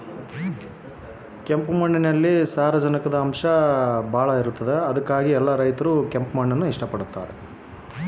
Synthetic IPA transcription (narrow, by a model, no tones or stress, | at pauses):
kempmɐɳːinɐlːisaːɾɐd͡ʒɐnikɐd̪ɐːmʂɐbʱaːɭɐiɾut̪ːɐd̪eɐd̪ɐkːaːɡiɛlːɐɾɐjt̪ɐɾukempmɐɳːɐnːuiʂʈɐpɐɽut̪ːa̰ːɾe